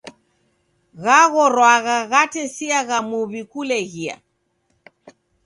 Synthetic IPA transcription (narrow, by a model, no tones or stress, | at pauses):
ɣaɣɔɾwaɣaɣatɛsiaɣamuβikulɛɣia̰